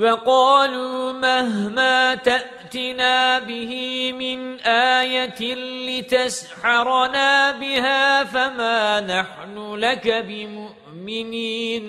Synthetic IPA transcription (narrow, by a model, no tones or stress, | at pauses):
wɑqɑːluːmaɦmaːt̪aʔt̪ɪnaːbɪhɪmɪnʔaːjat̪ɪlɪt̪asħɑɾˤnaːbɪhaːfamaːnaħnʊlakabɪmʊʔ | mɪniːn